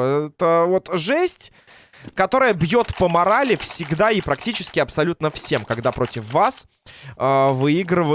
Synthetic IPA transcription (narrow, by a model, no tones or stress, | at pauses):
ɛt̪əvo̞t̪ʐɛsʲtʲ | kɐt̪o̞ɾəjəbjo̞t̪pəmɐɾalʲɪfsʲɪɡd̪aɪpɾɐk̚tʲit͡ɕɪ̥skʲɪɐpsɐlʲut̪nəfsʲe̞mkɐɡd̪apɾo̞tʲɪfːas | əvɨiɡɾɨvə